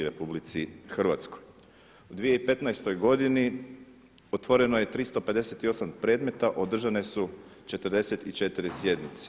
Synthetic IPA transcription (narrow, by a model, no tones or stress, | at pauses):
ɾepublit̪sixr̩ʋa̰t̪sko̞j | ud̪ʋijeipe̞t̪najst̪o̞jɡo̞d̪ini | ot̪ʋo̞ɾe̞noje̞t̪ɾist̪o̞pe̞d̪e̞se̞t̪io̞sampɾe̞ːd̪me̞t̪aʔo̞d̪r̩ʒane̞sut͡ʃe̞t̪ərɾd̪e̞se̞t̪it͡ʃe̞t̪iɾisje̞d̪nit̪se̥